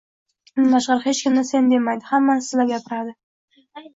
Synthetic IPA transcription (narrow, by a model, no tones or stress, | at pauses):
maʃʁɑɾhet͡ʃkʲʰɪmnɪsend̪e̞majd̪ɪhamːansɪzlaɾɡʲapʰɪɾad̪ɪ